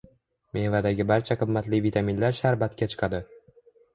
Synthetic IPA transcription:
mʔevad̪aɡʲɪbaɾt͡ʃʰaqʰɨmːat̪lɪvit̪ʰaminlaɾʃaɾbat̪kʲat͡ʃʰɨ̥qʰɑd̪ɪ

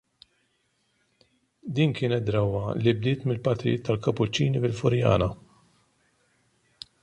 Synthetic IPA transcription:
d̪iːnkɪːnɛt̪̚d̪ɾɐwːɐlibd̪ɪːt̪mɪlpɐt̪ɾɪ̰jɪːt̪ʰːɐlkɐpːʊt͡ʃːiːnifɪlfʊɾjɐ̰ːnɐ

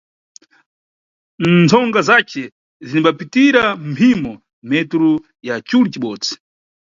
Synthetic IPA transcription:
nd͡zʰɔŋɡazat͡ʃɛ | zinibapitiɾam̩pʰimɔ | mɛtɾu | jat͡ʃulit͡ʃiɓɔːd͡zi̥

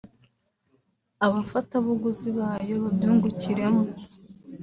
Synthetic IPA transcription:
aβafataβuɡuziβaːjo̞βabjuːŋɡuciɾe̞mo

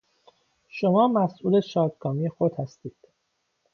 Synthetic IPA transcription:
ʃomɒːmæsʔuːleʃɒːd̪ɡɒːmiːjexod̪̥hæst̪iːd̪̥

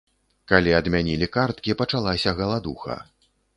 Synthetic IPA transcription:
kalʲiɐd̪mʲanʲilʲikart̪kʲipɐt͡ʂalˠasʲɐɣɐlˠad̪uxɐ̰

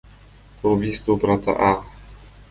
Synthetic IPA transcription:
ubʲiːst̪ubɾat̪a̰ʔa

